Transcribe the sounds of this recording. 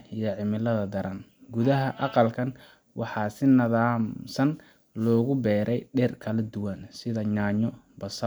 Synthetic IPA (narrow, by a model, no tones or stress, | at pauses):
ijɔʕɪmɪlɐðɐd̪ɐɾɐnɡʊðɐɦɐʔɑqɑlkʰɐn | wʔɑħɑːsɪnɐðaːmsɐn | lɔːɣʊbɛːɾʔɛjɖɛrkʰɐlɐd̪ʊwɐnsɪðɐɲaːɲɔbɐsɐ